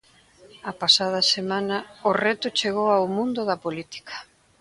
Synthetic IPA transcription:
ɐpasað̞ɐsemãnɐʊrɛt̪ʊt͡ʃeɣ̞owawmũnd̪ʊðɐpolit̪i̥kɐ̥

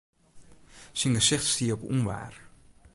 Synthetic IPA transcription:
sɪŋɡəsɪχtstiːəɔpṵnʋa̰ːr

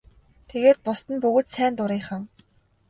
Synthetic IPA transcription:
t̪ʰeɣeːt̪̚pʊst̪ə̆npɵɣoːt̪sæːnt̪ʊɾiːχaŋ

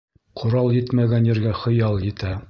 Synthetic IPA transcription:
qʰŏɾɑlˠjɘt̪mæɡænjɘ̆ɾɡæχɤ̆jɑlˠjɘ̆t̪æ

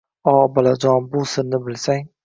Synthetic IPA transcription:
ɒbalad͡ʒɒnbʊsɪɾnɪbɪlsaŋ

